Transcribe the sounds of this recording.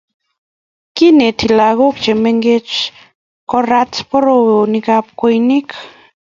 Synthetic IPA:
ki˦ne˨t̪ʰi˨la˨ɣo˦k̚t͡ʃe˨me˦ŋɡe˦t͡ʃ | kɔ˦ɾa˦tpɔ˦ɾo˨nikap̚ko˦jni˦k

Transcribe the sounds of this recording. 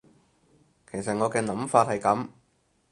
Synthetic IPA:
kʰe˨˩js̬ɐ˨t̚ŋɔː˨˧kɛː˧nɐ˨˥mfaː˧t̚hɐ˨jkɐ˨˥m

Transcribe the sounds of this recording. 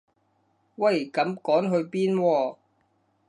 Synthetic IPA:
wɐ˨jkɐ˨˧mkɔː˨˥nɦɵ˧ɥpiː˥nwɔː˧

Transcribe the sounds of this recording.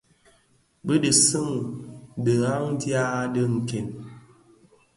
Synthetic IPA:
bə˦də˨sɨ˦ŋ˨də˨ɣa˦ŋn̩˦dja˦də˦ŋ̩˨ke˨n

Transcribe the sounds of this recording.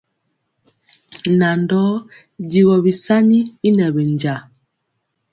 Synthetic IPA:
na˨ndɔ˦ | di˨ɣɔ˨bi˨sa˦ni˦i˦nɛ˨bɛ˨nd͡ʒa˨

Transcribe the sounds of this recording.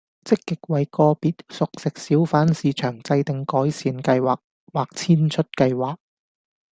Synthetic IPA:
t͡sɪ˥kːɪ˨k̚wɐ˨˩jkɔː˧piː˨t̚sʊ˨k̚sɪ˨k̚siː˨˥wfaː˨˥nsiː˨˧t͡ʃʰœː˨˩ŋt͡sɐ˧jt̪ɪ˨ŋkɔː˨˥jsiː˨˧nkɐ˧jwaː˨˩k̚ | waː˨k̚t͡sʰiː˥nt͡ʃʰɵ˥t̚kɐ˧jwaː˨k̚

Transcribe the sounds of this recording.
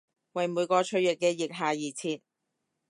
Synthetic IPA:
wɐ˨jmuː˨˧jkɔː˧t͡ʃʰɵ˧ɥjɪ˨kːɛː˧jɪ˨k̚ɦaː˨jiː˨˩t͡sʰiː˧t̚

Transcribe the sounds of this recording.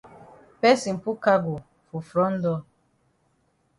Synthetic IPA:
pɛ˦si˨m̩˨pu˦ka˦ɡu˨ | fu˨fɾɔ˦n̩˦dɔ˧

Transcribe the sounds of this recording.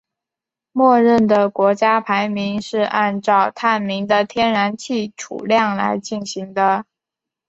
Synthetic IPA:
mwɔ˥˧ɻə˥˩nd̪ə˩kwɔ˧˥t͡ɕja˥pʰa˧˥ɪmi˧˥nʂɻ̩˥˧ʔa˥˧nʈ͡ʂɑ˥˧ʊt̪ʰa˥˩nmi˧˥ŋd̪ə˧t̪ʰjɛ˥nɻa˧˥nt͡ɕʰi˥˩ʈ͡ʂʰṵ˨˩ljɑ˥˩ŋla̰˧˥ɪt͡ɕi˥˩nɕi˧˥ŋd̪ə˧

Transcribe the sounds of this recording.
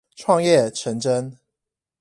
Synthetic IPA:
ʈ͡ʂʰwɑ˥˧ŋjɛ˥˨ʈ͡ʂʰə˧˥ŋʈ͡ʂə˥n

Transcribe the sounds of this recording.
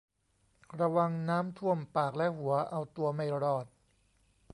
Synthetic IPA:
ɾa˧wa˧ŋnaː˦˥mt̪ʰu˥˩əmpaː˨˩k̚lɛ˦˥hu˩˦ɐʔa˧wt̪u˧ɐma˥˩jɾɔː˨˩t̪̚

